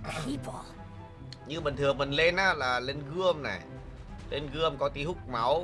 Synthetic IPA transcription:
i˨˧˦pɔ˨˦ | ɲɨ˧ɓï˨˩ŋt̪ʰɨ˨˩ə˩ŋɓï˨˩ŋ̟le˧nʔaː˧˥laː˨˩le˧nɣɨ˧əmna̰˨˩j | le˧nɣɨ˧əmkɔ˨˦t̪i˨˦hu˦˥k͡p̚ma˨˦w

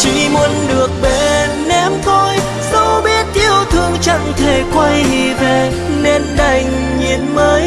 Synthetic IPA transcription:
t͡ɕḭ˧˩˦mu˨˦ənɗɨ˨˩ək̚ɓe˨˩nːɛ˧mt̪ʰo˧j | sə˧˦wɓi˦˥ət̚ʔi˧əwt̪ʰɨ˧əŋt͡ɕa̰˧˨ŋt̪ʰe˨˩kwa˧ji˨˩ve˨˩ | ne˧nɗa˨˩jŋ̟ | ɲḭ˧˨ənməː˨˦j

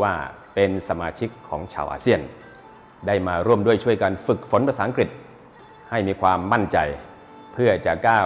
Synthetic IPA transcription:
waː˥˩ | pe˧nsa˧maː˧t͡ɕʰi˦˥kʰːɔː˩˦ŋt͡ɕʰa̰ː˧wʔa̰ː˧si˥˩ən | daː˥˩jmaː˧ɾu˥˩əmdu˥˩əjt͡ɕʰu˥˩əjka˧nfɯ˨˩k̚fo˨˩˦npa˧saː˩˦˥ʔŋkɾi˨˩t̪̚ | ha˥˩jmiː˧kʰwaː˧mːa˥˩nt͡ɕa˧j | pʰɯ˥˩ɐt͡ɕa˨˩kaː˥˩

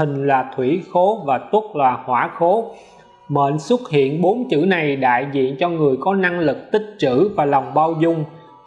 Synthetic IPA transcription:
ï˨˩ŋ̟laː˨˩t̪ʰwi˧˩xo˨˦vaː˨˩t̪u˦˥k̚laː˨˩hwaː˧˩˥xo˨˦ | mə̰˧˨nswə˦˥t̚hḭ˧˨ənɓo˨˦nt͡ɕɨ̰˧˥na˨˩jɗa̰ː˧˨jzḭ˧˨ənt͡ɕɔ˧ŋɨ˨˩əjkɔ˨˦na˧ŋlɨ˨˩k̚t̪ï˦˥k̟̚t͡ɕɨ̰˧˥vaː˨˩la˨˩wŋ͡mɓaː˧wzʊ˧ŋ͡m

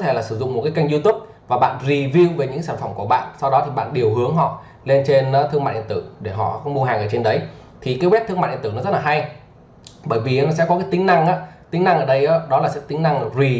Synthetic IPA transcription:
t̪ʰe˧˩laː˨˩sɨ˧˩zʊ̰˧˨ŋ͡mmo˨˩t̚kːaː˨˦jka˧jŋ̟zu˧t̪u˦˥p̚ | vaː˨˩ɓa̰ː˧˨nzi˨˩vi˧wve˨˩ɲɨ̰˧˥kːsaː˧˩nfə˧˩mku˧˩əɓa̰ː˧˨nsa˧wɗɔ˨˦t̪ʰi˨˩ɓa̰ː˧˨nɗi˨˩əwɦɨ˨˦əŋɦɔ̰˧˨ | le˧nt͡ɕe˧naː˨˧˦t̪ʰɨ˧ŋmaː˧˨ʔḭ˧˨nt̪ɨ˧˩ɗe˧˩ɦɔ̰˧˨xwŋ͡mmu˧ɦaː˨˩ŋʔəː˧˩t͡ɕe˧nɗə˨˦j | t̪ʰi˨˩kaː˨˦wɛ˦˥t̪ʰɨ˧maː˧˨ʔnt̪ɨ˧˩nɔ˨˦zə˦˥t̚laː˨˩ɦa˧j | ɓəː˧˩jvi˨˩˨s̬ɛ̰˧˥kɔ˨˦kaː˨˦jt̪ï˨˦ŋ̟na˧ŋʔa̰ː˨˦˥t̪ï˨˦na˧ŋʔəː˧˩ɗə˧jʔaː˨˦ɗɔ˨˦laː˨˩sɛ̰˧˥t̪ï˨˦ŋna˧ŋzi˨˩

